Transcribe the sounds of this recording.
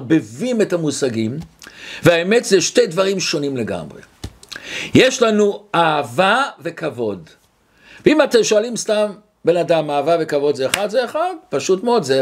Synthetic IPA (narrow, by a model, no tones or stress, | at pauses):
bevimetamusaɡimveaemetzeʃte̞jdvaʁimʃo̞nimle̞ɡa̰mʁḛ | jeʃlanuaːvave̞kavo̞d | veimatemʃoalimstam | be̞nadamaːvave̞kavo̞d̪zeːχad̪zeːχadpaʃutmeodze